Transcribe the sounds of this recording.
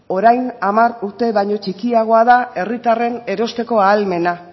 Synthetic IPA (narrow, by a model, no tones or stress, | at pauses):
o̞ɾajnamaɾuɾt̪e̞βajɲo̞t͡ʃikiaɣ̞o̞aðae̞rit̪are̞ne̞ɾo̞st̪e̞ko̞aːlme̞na